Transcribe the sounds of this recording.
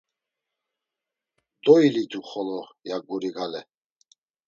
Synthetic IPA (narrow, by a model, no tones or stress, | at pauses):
d̪ɔilit̪ʼuχɔlɔjaɡuɾiɡalɛ